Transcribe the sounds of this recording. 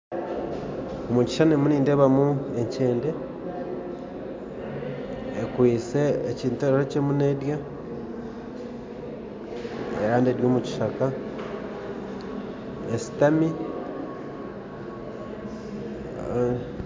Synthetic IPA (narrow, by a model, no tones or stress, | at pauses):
omuci̥ʃanemuniːndeβamue̞ɲce̞ːnde̞ | kwiːse̞ːciːntueɾocemune̞dja | ḛɾaːndeɾjoːmuci̥ʃaka | esi̥tami